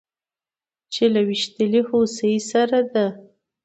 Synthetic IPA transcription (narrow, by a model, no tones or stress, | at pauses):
t͡ʃelawiʃt̪əlihosəisaɾad̪a